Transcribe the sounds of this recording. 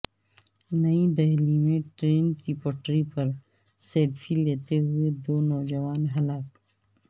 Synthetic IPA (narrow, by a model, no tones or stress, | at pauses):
nɐid̪ɐɦlimẽʈɾeːnkipɔʈɾipɐɾ | seːlfʰileːt̪eɦʊed̪oːnɔːd͡ʒɐʋaːnɦɐlaːk